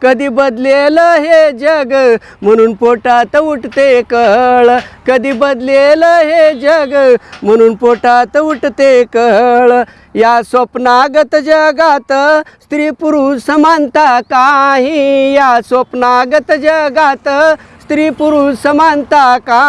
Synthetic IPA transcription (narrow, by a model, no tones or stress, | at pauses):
kəd̪iːbəd̪leləɦed͡ʑəɡ | m̤əɽ̃uːnpoʈat̪əuʈt̪ekəɦɭkəd̪iːbəd̪leləɦed͡ʑəɡm̤əɽ̃uːnpoʈat̪əuʈt̪ekəɦɭ | jasopnaɡət̪d͡ʑəɡat̪əst̪ɾiːpuɾusəmant̪akaɦijasopnaɡt̪d͡ʑəɡat̪əst̪ɾiːpuɾusəmant̪aka